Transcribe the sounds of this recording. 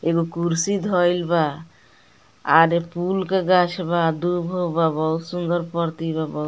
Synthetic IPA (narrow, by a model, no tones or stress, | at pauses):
eɡokuɾsid̪ʱɔjlba | aɾepulkaɡaʃʰbad̪ubʱɦobabɔw̪sund̪ɔɾpɔɾt̪ibabɔ